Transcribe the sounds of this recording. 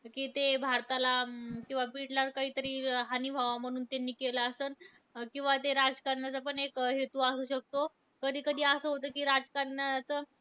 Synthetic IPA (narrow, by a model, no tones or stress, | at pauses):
kiːt̪ebʱaɾt̪alakĩw̃ʋapiʈlaɾkaɦiːt̪əɾiːɦanibʱaʋam̤əɽ̃uːnt̪enːiːkelaːsəːn | kĩw̃ʋat̪eɾad͡zkaɾɳjat͡sapəɳekɦet̪uːasuːɕək̚t̪o | kəd̪ʱiːkəd̪ʱiːəsəːɦot̪̬əːkiːɾad͡zkaɾnjat͡səː